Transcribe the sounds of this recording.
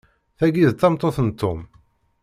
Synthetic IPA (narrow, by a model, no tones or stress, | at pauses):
θæɡiðt̪ːɑmt̪ˤːoθnt̪ːom